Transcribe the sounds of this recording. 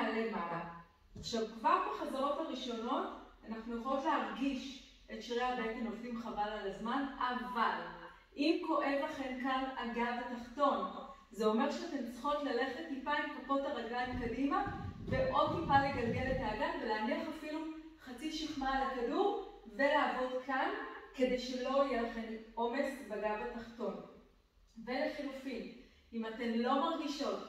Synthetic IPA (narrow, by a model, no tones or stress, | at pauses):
lemala | aχʃavkvaʁbeχazaʁo̞taʁiʃo̞no̞tanaχnujeχolo̞tleɦaʁɡiʃ | e̞tʃʁeabejtenovdimχavalalazmanaval | ʔimko̞ʔe̞vaχe̞nkanaɡavetaχto̞n | zeo̞me̞ʁʃeatemt͡sχo̞tlale̞χe̞tmipajmkupo̞taʁaɡamkadimaveʔo̞d̚tipale̞ɡalɡe̞letaːɡanveleaniaχafilu | χat͡siʃiχmalakaduʁ | velaːvo̞dkanke̞de̞jʃe̞lo̞ijelaχe̞mo̞me̞sbaɡavataχto̞n | ve̞leχilufim | imate̞mlo̞maʁɡiʃo̞t